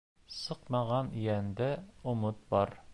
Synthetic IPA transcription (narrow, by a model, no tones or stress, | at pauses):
sɤqmɑʁɑnjænd̪æŏmɤt̪̚bɒɾ